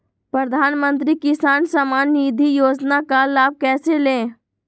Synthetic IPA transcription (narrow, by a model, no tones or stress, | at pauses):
pɾəd̪ʱaːnmə̃nt̪ɾikɪsaːnsəmaːnːiːd̪ʱijoːd͡ʒnakalaːb̚kɛːselẽː